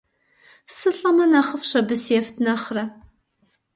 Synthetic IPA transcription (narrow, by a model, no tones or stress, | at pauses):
sɨɬʼɐmɐnaːχəfɕɐbɨsɛftʰnɐχrɐ